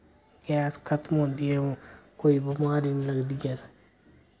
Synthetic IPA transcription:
ɡɛːskʰət̪mɦõːnd̪iːɛ̃ːkoːiːbəmaːɾiːnːləɡd̪iːɡɛːs

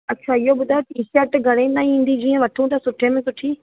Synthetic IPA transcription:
ɐtːt͡ɕʰaːɪɦobʊd̪ʱat̪isɛk̚ʈɡʱɐɽ̃ẽːnd̪aːĩːn̆d̪id͡ʑiːə̃ʋɐʈʰũt̪ɐsʊʈʰẽmẽsʊʈʰiː

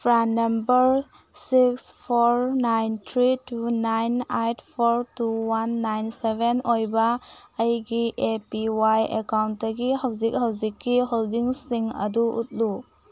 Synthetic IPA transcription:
pʰɾannːɐmbɐɾ | sikspʰoɾnajntʰɾitunajnajtʰpʰoɾtuwanːajnsebenojbɐːjɡiʔepiwajḛkawntːɐɡiɦawzik̚hawd͡ʒikːiɦoldiŋsiŋɐ̰duṵt̚lu

